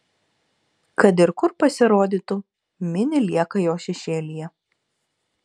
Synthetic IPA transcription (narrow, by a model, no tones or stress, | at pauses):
kɐt̪̬ɪɾkʊɾpɐsʲɪɾoːd̪ʲiːˑt̪ʊ | mʲɪnʲɪlʲiɛkɐjoːʃʲɛʃʲeːlʲijɛ